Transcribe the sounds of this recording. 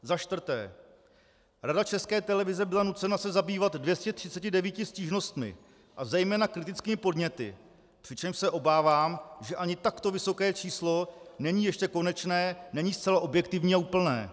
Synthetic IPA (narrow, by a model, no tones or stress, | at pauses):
zaʃt̪vr̩t̪ɛ̰ː | ɾadat͡ʃɛskɛːt̪ɛlɛvɪzɛbɪlanut͡sɛnasɛzabiːvad̪dvjɛscɛt̪r̝̥ɪt͡sɛcɪdɛviːcɪsciːʒno̞st̪mɪ̰ | ʔazɛjmɛːnakɾɪt̪ɪt͡skiːmɪpo̞dɲɛt̪ɪ̰ | pr̥ɪt͡ʃɛmʃsɛʔo̞baːvaːmʒɛʔaɲɪt̪akt̪o̞vɪso̞kɛːt͡ʃiːslo̞nɛɲiːjɛʃcɛko̞nɛt͡ʃnɛːnɛɲiːst̪t͡sɛlaʔo̞bjɛkt̪ɪvɲiːauːpl̩nɛ̰ː